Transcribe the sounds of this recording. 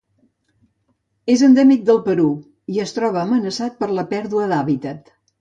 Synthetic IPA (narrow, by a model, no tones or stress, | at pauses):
ezənd̪ɛmik̚d̪əlˠpəɾu | iəst̪ɾɔβ̞əːmənəsat̪̚pəɾləpɛɾðuəðaβit̪ət̪